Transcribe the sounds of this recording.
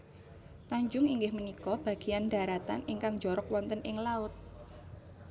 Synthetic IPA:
t̪aɲd͡ʒʊŋiŋɡɪhmənikɔb̥a̤ɡ̥ianda̤ɾat̪aniŋkaŋd͡ʒɔɾɔkwɔnt̪ənʔɪŋlaʊt̪̚

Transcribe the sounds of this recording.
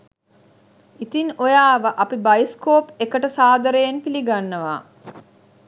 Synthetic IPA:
it̪inojaːʋəʔapibajskoːpekəʈəsaːd̪əɾejenpiliɡanːəʋa̰ː

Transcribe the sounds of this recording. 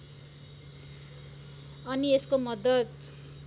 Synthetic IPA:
ʌnieskomʌd̪ʌt̪

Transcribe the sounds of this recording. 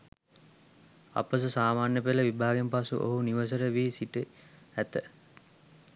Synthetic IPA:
a̰pəs̬əsaːmaːnjəpeləʋibʱaːɡempasṵʔo̰ɦuniʋəs̬əɾəʋiːsiʈə | æt̪ə

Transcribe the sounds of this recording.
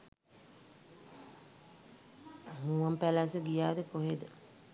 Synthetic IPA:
hũːʋɐmpælasəɡijaːd̪əkoɦed̪ə

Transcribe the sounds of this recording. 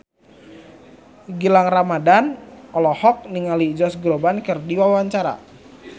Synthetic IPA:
ɡilaŋramadanɔlɔhɔk̚niŋalid͡ʒɔsɡɾobankərdiwawaɲt͡ʃaɾa̰

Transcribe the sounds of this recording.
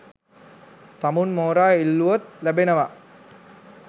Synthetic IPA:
t̪amunmoːɾaːilːuot̪̚læbenəʋa

